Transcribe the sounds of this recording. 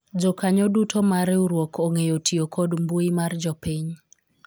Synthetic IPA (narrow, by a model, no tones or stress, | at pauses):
d͡ʒɔkaɲɔdutʰomaɾɛuɾwokʰoŋejotʰiokʰodmbuimard͡ʒɔpiɲ